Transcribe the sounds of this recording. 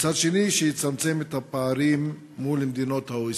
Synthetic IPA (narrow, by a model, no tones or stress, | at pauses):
t͡sad̪ʃe̞niʃejit͡samt͡se̞met̪hapaaɾimː | ulemed̪ino̞t̪haoi